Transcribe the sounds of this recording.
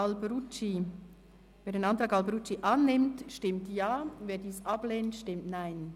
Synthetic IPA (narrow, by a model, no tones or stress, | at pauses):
lbɾut͡ʃi | veːdeːnɑntʁɑːkɑlbɾut͡ʃiʔɑnːɪmtʃtɪmtjɑːveːdiːsɑbleːntʃtɪmtnaɪn